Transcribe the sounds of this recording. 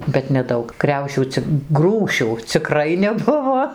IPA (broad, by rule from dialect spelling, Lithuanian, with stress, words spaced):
bʲɛt nʲɛˈdɐʊk ˈkrʲɛʊʃʲuː t͡sʲɪk ˈɡruːʃʲuː t͡sʲɪˈkrɐɪ nʲɛˈbʊʋoː